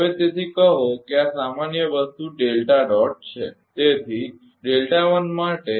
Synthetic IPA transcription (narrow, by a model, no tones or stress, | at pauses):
ɦəʋet̪et̪ʰikəɦokeasamanjəʋəst̪uɖelʈaɖɔʈ̚t͡ʃʰḛ | t̪et̪ʰi | ɖelʈaʋənmaʈe